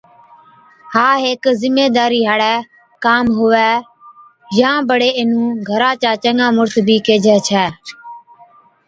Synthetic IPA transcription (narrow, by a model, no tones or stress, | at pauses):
haːɦeːkzɪmːeːd̪aːɾiːɦaɽɛː | kaːmɦʊʋɛː | jãːbəɽeːɪnũːɡʱəɾãːt͡ʃaːt͡ʃəŋãːmʊɾt̪biːkeːd͡ʒʱɛːt͡ʃʰɛː